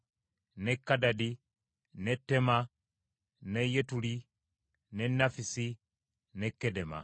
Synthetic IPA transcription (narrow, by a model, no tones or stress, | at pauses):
nɛkːadadi | nɛtːɛma | nɛjetuli | nɛnːafisi | nɛkːɛdɛma̰